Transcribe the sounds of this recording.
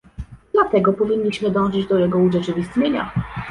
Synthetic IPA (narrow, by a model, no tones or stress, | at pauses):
d̪̥lat̪ɛɡɔpɔvʲiɲʲːiɕmɘd̪ɔ̃w̃ʐɘd͡ʑd̪ɔjɛɡɔuʐɛt͡ʂɘvʲist̪ɲeɲa̰